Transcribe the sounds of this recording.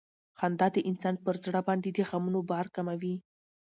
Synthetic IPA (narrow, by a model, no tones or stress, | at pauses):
xɑnd̪ɑd̪əʔɪnsɑnpəɾzɽəbɑnd̪ed̪əxamunobɑɾkamawi